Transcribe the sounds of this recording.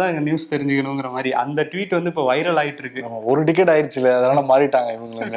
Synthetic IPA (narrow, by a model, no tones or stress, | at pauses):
ãːɪɐnjuːst̪ɛɾɪɲd͡ʒɯkːɐɳɯ̃ŋɡɪɾɐmaːd̪ɾiʔɐ̰nd̪ɐʈʋiːʈːʋɐnd̪ɯɪpːoːʋɐɪɾɐɭaːɣɪʈːɯɾɯkːɯmɔɾɯʈɪk̬ːɛʈaːjɪɾt͡ʃːɪlːɐɐðɐnaːnɐmaːɪʈːaːŋɡɐɪʋɐŋɡɐɭn